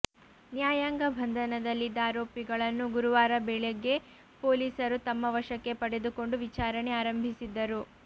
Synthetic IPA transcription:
njaːjaːŋɡɐbʱɐnd̪ʱɐnɐd̪ɐlːid̪ːaːɾoːpiɡɐɭɐnːuɡuɾuʋaːɾɐbɛɭeɡːe̞ | poːliːsɐɾut̪ɐmːɐʋɐʂɐkːe̞pɐɽe̞d̪uko̞ɳɖuʋit͡ʃaːɾɐne̞aːɾɐmbʱisid̪ːɐɾu

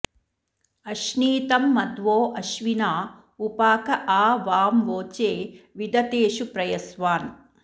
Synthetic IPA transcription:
ɐʃniːt̪ɐmːɐd̪ʋoːʔɐʃʋinaː | upaːkɐʔaːʋaːmʋoːt͡ʃeːʋid̪ɐt̪eːʃupɾɐjɐsʋaːn

